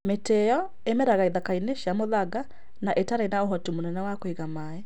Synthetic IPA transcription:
metɛjɔ | emɛɾaɣaiðakaineʃamoðaɡa | naʔetaɾainaoɦɔtimonɛnɛwakoeɣamaɛ

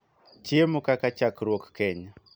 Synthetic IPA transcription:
t͡ʃiemukakat͡ʃakɾwokkɛɲa

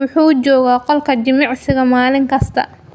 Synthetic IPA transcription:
wʊħuːd͡ʒɔːɣaːqɔlkʰɐd͡ʒɪmɑʕsɪɣɐmaːlɪŋkʰɐst̪ʰɐ̰

